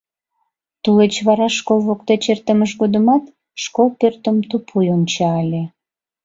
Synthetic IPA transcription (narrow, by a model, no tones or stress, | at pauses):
t̪ulet͡ɕβɑɾɑʃkolˠβokt̪et͡ɕert̪əməʃɣod̪əmɑt̪ | ʃkolpørt̪əmt̪upʰujont͡ɕɑːlʲe